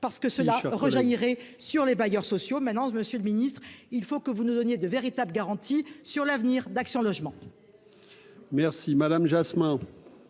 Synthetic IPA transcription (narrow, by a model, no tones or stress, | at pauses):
paʁsə̥kəsəlaʁəʒajiʁɛsyʁlebajœʁsɔsjomɛ̃t̪nɑ̃məsjøləminist̪χilfokəvunud̪ɔnjed̪əveʁit̪abləɡaʁɑ̃t̪isyʁlavniʁd̪aksjɔ̃lɔʒmɑ̃ | mɛʁsimad̪amʒasmɛ̃